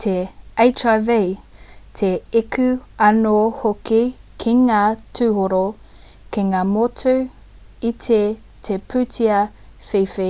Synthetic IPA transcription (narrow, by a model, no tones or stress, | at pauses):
t̪ʰeejt͡ʃavejtʰeekʰʉɐnohokikʰiŋaːtʰʉːhoɾo | keŋaːmotʰu | itʰe | t̪ʰepʰʉtiɐ | fejfe